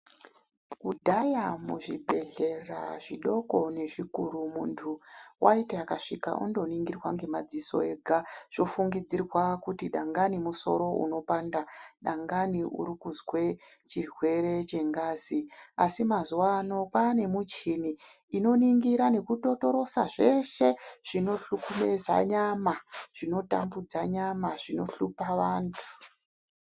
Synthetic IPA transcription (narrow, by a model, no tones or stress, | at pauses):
kudʱajamṵʐibʱe̞ɮe̞ra̰ʐiɗo̞ko̞ne̞ʐikuɾumuːntʰuwʔaiteakaʂika̰ʔṵndo̞niŋɡirwaŋɡe̞mad͡ziso̞̰e̞ɡʱaʐ̥o̞fuŋɡid͡zirwakutiɗaŋɡanimuso̞̰ɾo̞ṵno̞paːndaɗaŋɡaniṵɾikuzwe̞ | t͡ʃirwe̞ɾe̞t͡ʃe̞ŋɡaːziasimazuwano̞pane̞mut͡ʃiniː | no̞niŋɡiɾane̞kuto̞to̞ɾo̞sa̰ʐe̞ʃe̞ʐ̥ino̞ɬukumeza̰ɲamaʐ̥ino̞ta̰mbud͡zaɲamaʐ̥ino̞ɬupaʋaːntʰu̥